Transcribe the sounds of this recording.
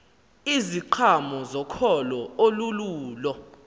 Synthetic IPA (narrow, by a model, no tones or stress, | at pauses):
iziǃʰamɔzɔkʰɔlɔoluluːlɔ